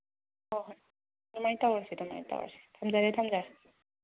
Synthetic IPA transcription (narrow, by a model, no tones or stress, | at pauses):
ɔɦɔj | ɾumajtawasidɔma̰jta̰wa̰si̥tʰamzaɾetʰamza